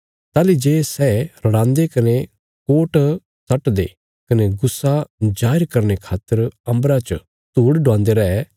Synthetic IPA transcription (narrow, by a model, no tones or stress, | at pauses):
t̪aːlid͡ʒeːsɛɾɐɽãːnd̪ekɐne | koːʈ | sʰɐʈd̪ḛ | kɐneɡʊsːad͡ʒaːɪɾkɐɾnekʰaːt̪ːəɾɐ̃mbɾat͡ʃ | t̪uːɽɖãːnd̪eɾɐɦɛ